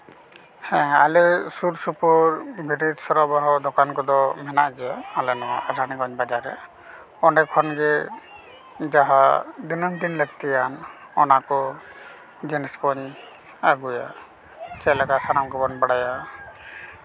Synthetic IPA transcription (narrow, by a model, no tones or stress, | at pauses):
hɛ̃a̰lɛsuɾsupɔɾbʱiɾid͡ʒsɔɾɔbaɦɔd̪ɔkankɔd̪ɔmɛnaʔɡɛjaalɛnɔwa̰ʔaɾaniɡɔɲbad͡ʒaɾɛ | ɔnɛkʰɔnɡɛ | d͡ʒaɦad̪inɔmd̪inləɡ̚t̪ɛjanɔnakɔ | d͡ʒɛnɛskɔɲ | aɡuja̰ | t͡ʃɛlaɡasanamɡɔbɔnbaɽaja